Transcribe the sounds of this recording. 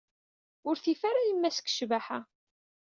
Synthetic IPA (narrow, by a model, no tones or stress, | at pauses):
ʊɾθifaɾajimːæsə̥kʃvaħa